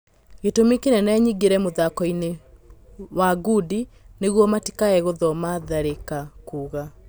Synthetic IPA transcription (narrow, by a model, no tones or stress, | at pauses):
ɣetomekenɛnɛɲiɣeɾɛmoðakɔine | waɡudi | neɣwɔmati̥kaɛɣoðɔmaðaɾekakuɣa